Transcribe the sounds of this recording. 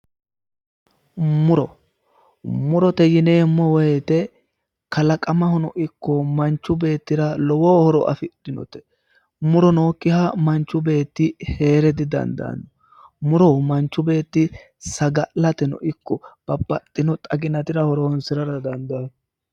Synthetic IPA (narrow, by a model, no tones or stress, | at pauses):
mʊɾɔ | mʊɾɔt̪ɛjɪneːmːɔwɔjɛt̪ɛ | kɐlɐkʼɐmɐhɔnɔʔɪkːɔmɐnt͡ʃːʊbe̞ːt̪ːɪɾɐlɔwoːhɔɾɔʔɐ̰fɪtːɪnɔ̰t̪ɛ̥ | mʊɾɔno̞ːkːɪhamɐnt͡ʃːʊbe̞ːt̪ːɪhe̞ːɾɛd̪ɪd̪ɐ̰nd̪ɐ̰nːɔ | mʊɾɔmɐnt͡ʃːʊbe̞ːt̪ːɪ | sɐɡɐʔlɐt̪ɛnɔ̰ʔɪkːɔb̥ɐbːɐt̪ʼːɪnɔt̪ʼɐɡɪnɐt̪ɪɾɐhɔɾɔnsɪɾɐɾɐd̪ɐnd̪an